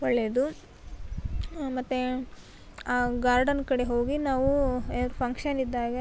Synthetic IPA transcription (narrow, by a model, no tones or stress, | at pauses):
ɔɭːed̪u | mɐt̪ːu | aːɡaːɾɖɐnkɐɽe̞ɦo̞ːɡinaːʋuɛlɐɾupʰɐŋkʂɐnid̪ːaːɡe